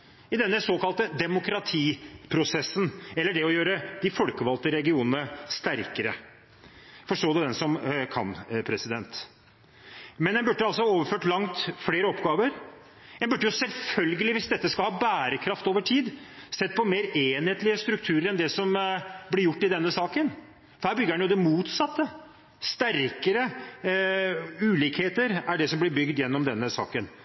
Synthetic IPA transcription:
ɪd̪ɛnːəsoːkɑlt̪əd̪ɛmʊkɾɑt̪ʰiːpʰɾʊsɛsːənɛlːəɖɛɔjøːɾəd̪̥ɪfɔlkəʋɑlt̪əɾɛɡɪuːnənəst̪æɾkəɾə | fɔʂʈoːd̪ɛd̪ɛnsɔmkʰɑ̰npʰɾɛsɪd̪ɛnt̪ | mɛnɛnbʉɖːəɑlsɔhɑoːʋəføːʈlɑŋt̪fleːɾəɔpɡɑːʋəɾ | ɛnbʉɖːəjʊsɛlfœlɡəlɪʋɪsd̪ɛt̪ːəskɑlhɑːbæːɾəkʰɾɑft̪oːʋəʈʰiːd̪sɛt̪ːpʰɔmeːɾeːnheːt̪lɪəst̪ɾʉkt̪ʰʉːɾəɾɛnd̪ɛsɔmblɪɾjʊʈːɪd̪ɛnːəsɑːkən | fɔhæːɾbʏɡːəɾhɛnjʊd̪ɛmuːt̪sɑt̪ːə | st̪æɾkəɾə | ʉːliːkheːt̪əɾæɖɛsɔmblɪɾbʏɡd̪jɛnːɔmd̪ɛnːəsɑ̰ːkən

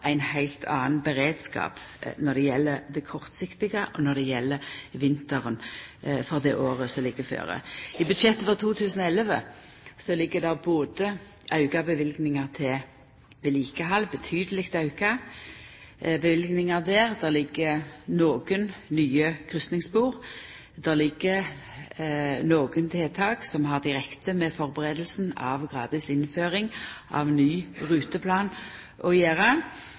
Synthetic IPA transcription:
ʔæɪnhæɪlt̪ʰɑ̰ːnbəʁeːd̪skɑ̰ːpnɔd̪ɛjɛlːəd̪ɛkʰɔʁt̪sɪkt̪ɪɡəʔɔnɔd̪ɛjɛlːəʋɪnt̪əʁənfɔʁd̪ɛʔoːʁəsɔlɪɡəfø̰ːʁə̰ɪbʉd̪ʃɛt̪ːəfɔʁt̪ʰuːt̪ʰʉːsən̩ɔɛləʋə | sɔlɪɡːəd̪ɑboːd̪ə | ʔɑʉɡɑbəʋɪlɡnɪŋɑʁt̪ʰɪ | ʋɛliːkəɦɑlbət̪ʰyːd̪əlɪkt̪ɑʉɡɑ | bəʋɪlɡnɪŋɑʁd̪æːʁd̪ælɪɡːənoːɡənnyːəkʰʁʏst̪nɪŋsbuːʁ | d̪̥ɛlɪɡːə | noːɡənt̪ʰeːt̪ʰɑːksɔmɦɑʁd̪ɪʁɛkt̪əmɛfɔʁbəʁeːd̪əlsn̩ɑ̰ʋɡʁɑ̰ːd̪ɪsɪnføːʁɪŋʔɑ̰ʋnyːʁʉːt̪əpʰlɑːn | ʔɔjeːʁɑ

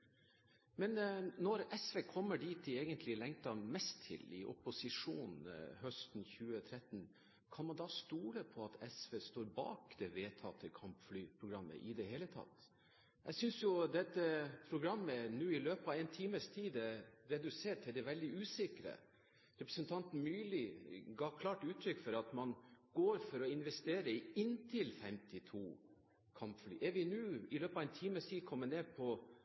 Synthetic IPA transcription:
mɛnnɔɾɛsʋeːkʰɔmːəɖiːt̪ɪeːɡənt̪ʰlɪlɛŋt̪ɑmɛst̪ʰːɪ̰lɪ̰ʔɔ̰pʊsɪʂuːnhœst̪n̩çʉːət̪ʰɾɛt̪n | kʰɑnmɑnd̪ɑːst̪uːləpʰɔɑt̪ʰɛsʋeːst̪oːɾbɑ̰ːkd̪ɛʋeːt̪ʰɑt̪ʰəkʰɑmpflyːpʰɾʊɡɾɑmːə̰ʔɪd̪ɛheːlət̪ʰɑ̰t̪ː | jæsʏnsjʊd̪ɛt̪ːəpʰɾʊɡɾɑmːənʉːɪløːpɑʋɛɪnt̪ʰiːməst̪ʰiːd̪ɛɾɛd̪ʉseːʈt̪ʰːɪld̪ɛʋɛld̪ɪʉːsɪkɾə̰ | ɾɛpɾəsənt̪ʰɑnt̪n̩myːlɪɡɑːkʰlɑːʈʉːt̪ʰɾʏkːfɔɾɑt̪mɑnɡ̥oːɾfɔɾɔɪnʋɛst̪eːɾəɪɪnt̪ʰɪlfɛmt̪ɪt̪ʰuː | kʰɑmpfly̰ːʔɛɾʋɪnʉːɪløːpɑʋɛɪnt̪ʰiːməst̪ʰiːd̪kʰɔmːəneːd̪pʰɔ

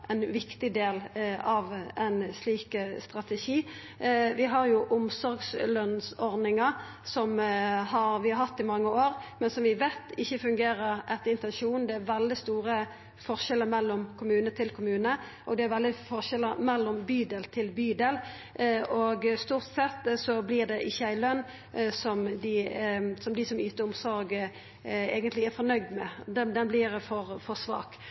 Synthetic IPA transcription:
ʔɛnʋɪkt̪ɪd̪eːlɑʋænsliːkəst̪ʁɑt̪ɛʃiː | ʋɪɦɑɾjʊʔʊmsɔɾɡslœnsɔɾd̪nɪŋɑ | sɔmɦɑɾʋɪɦɑt̪ːɪmɑŋːəoːʁmɛnsɔmʋɪʋeːt̪ɪçːəfʉŋɡeːɾəɾʔɛt̪ːəɪnt̪ɛnʃuːnd̪ɛæɾʋɛld̪ɪst̪uːɾə | fɔʁʃɛlːəmɛlːɔmkʰʊmʉːnət̪ʰɪlkʰʊmʉːnə | ʔɔɡd̪ɛæɾʋɛld̪ɪfɔʁʃɛlːəɾmɛlːɔmbyːd̪ɛlt̪ʰɪlbyːd̪ɛl | ɔɡst̪uːʁt̪sɛt̪ːsɔblɪʁd̪ɛʔɪçːəæɪlœnː | sɔmd̪ɪsɔmd̪ɪsɔmyːt̪əɾʊmsɔɾɡ | ḛːɡənt̪lɪæɾfɔʁnœɡd̪mɛd̪ɛd̪ɛnblɪɾfɔɾfɔsʋɑ̰ːk

